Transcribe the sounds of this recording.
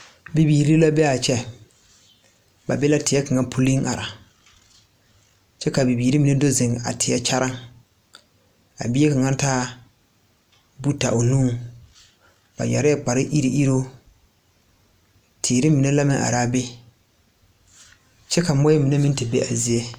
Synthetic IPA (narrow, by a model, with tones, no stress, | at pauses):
bi˨biː˨ɾi˦la˦bɛ˦a˨t͡ʃɛ˦ | ba̰˨be˦la˦tɪ˨ɛ˦ka˨ŋa˦pʰu˦li˦ŋʔa̰˨ɾa˨ | t͡ʃɛ˦ka˨bi˨biː˨ɾi˦mi˨nɛ˦do˦zɪ˨ŋ˨a̰˨tʰɪ˨ja˦t͡ʃa˦ɾa˦ŋ | a̰˨bi˦e˦ka˨ŋa˦ntaː˦ | bu˦ta̰˨ʔo˨nũː˦ŋ | ba̰˨jɛ˨ɾɪ˦a˦k͡pa˨ɾɪ˦ʔi˦ɾi˦ʔi˦ɾo˦ | tʰɪː˨ɾɪ˦mi˨nɛ˦la˦mɪ̃˦ŋʔa̰˨ɾaː˦be˦ | t͡ʃɛ˦ka˨mɔ˦ɛ˦mi˨nɛ˦mɪ̃˦n˦tɪ˨be˦ʔa˨zi˦e˦